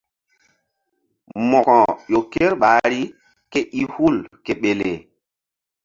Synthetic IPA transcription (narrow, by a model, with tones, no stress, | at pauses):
mɔ˨kɔ˨jo˨ke˦ɾɓa˨˦ɾi˦ | ke˦ʔi˦hu˦˨lke˨ɓe˨le˨